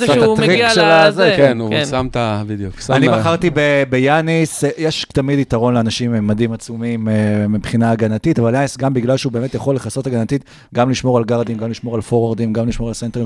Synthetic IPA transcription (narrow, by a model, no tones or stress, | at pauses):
aat̪ʁikʃelazekensamt̪abid̪juksaanibaχaʁt̪ibebejanisjeʃt̪amidit̪aʁo̞nleanaʃimmːadimat͡sumimemipχinaːɡanat̪itavaljanisɡambiɡlalʃeubemet̪jaχo̞leχaso̞taɡanat̪it̪ | ɡamliʃmoʁalɡaʁd̪imɡamliʃmo̞ʁalfoʁaʁd̪imɡamliʃmo̞ʁalsentei